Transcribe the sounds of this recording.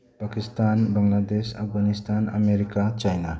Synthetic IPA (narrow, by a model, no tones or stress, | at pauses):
pakistanbaŋladesa̰f̚ɡanistʰana̰meɾikat͡ʃajna